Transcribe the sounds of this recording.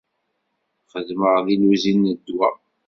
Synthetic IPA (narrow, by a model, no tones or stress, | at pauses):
χəðməʁðiluzinːəd̪ːwæ